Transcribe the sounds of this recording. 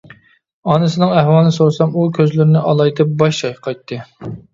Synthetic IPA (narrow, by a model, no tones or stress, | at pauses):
ɑnɨsɨnɨŋæhwɑlˠnɨsoɾsɑmukʲʰøzlyɾnɪʔɑlˠɑjt̪ʰɪp̚bɑʃʃɑjqʰɑjt̪ʰːɨ